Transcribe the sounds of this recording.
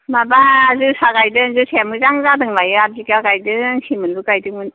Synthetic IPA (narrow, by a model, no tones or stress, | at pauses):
mabaːzɯsaɡajdɯŋzɯsʰemɯzaŋzadɯŋlajɯazikakajdɯŋsʰimɯnbɯkajdɯŋmɯn